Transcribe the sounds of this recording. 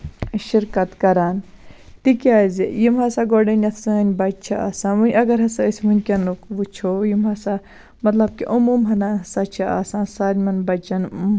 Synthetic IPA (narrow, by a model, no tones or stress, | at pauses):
ʃiɾkɐt̪kɐɾaːn | t̪ikʲaːzijimɦɐsaːɡoːɖɐnʲɐt̪ʰsɐnʲbɐt͡ʃʰaa̰ːsãːʋunʲɐɡɐɾɦɐsaisʲmunʲkʲɐnukʋut͡ʃʰojimɦɐsa | mɐt̪lɐb̚kiʔumuːmɦɐnaːnɦɐsat͡ʃʰia̰sãːsaːlmɐnbɐt͡ʃɐn